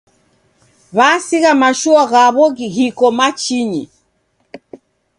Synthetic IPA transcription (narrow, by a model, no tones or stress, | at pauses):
βasiɣamaʃuaɣaβɔɣiɦikɔmat͡ʃiɲḭ